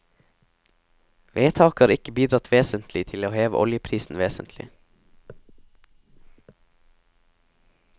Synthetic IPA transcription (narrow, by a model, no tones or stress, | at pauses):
ʋeːt̪ʰɑːkhɑːɾɪkəbiːd̪ɾɑt̪ʰʋeːsənt̪ʰlɪt̪ʰɪloːheːʋə̰ʔɔ̰ljəpʰɾiːsn̩ʋeːsə̰nt̪ʰlɪ̰